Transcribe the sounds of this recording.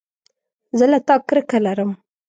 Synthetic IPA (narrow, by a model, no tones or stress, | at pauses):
zəlat̪ɑkɾəkalaɾəm